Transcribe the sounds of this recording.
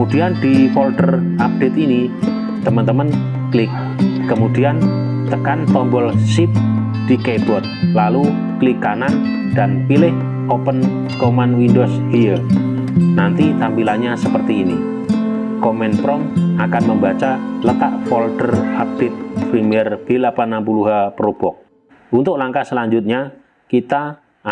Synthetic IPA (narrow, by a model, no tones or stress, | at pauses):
kəmud̥iand̪ifɔlt̪ər | ap̚d̥et̪ini | t̪əmənt̪əmən | klɪk̚ː | əmud̥ian | t̪əkant̪ɔmbɔlsip̚ | d̥ikeb̥ɔt̪̚lalu | klikanan | d̥anpilɪh | opən | komanwindos | ijə | nant̪it̪ampilanɲasəpərt̪iːni | komɛnpɾɔmakanməmbat͡ʃalət̪aʔfɔlt̪ərhabɪt̪̚pɾimiɛrb̥ɪlapanampuluɦapəɾub̥ɔk̚ | unt̪ʊk̚laŋkasəlaɲd͡ʒut̪̚ɲa | kit̪a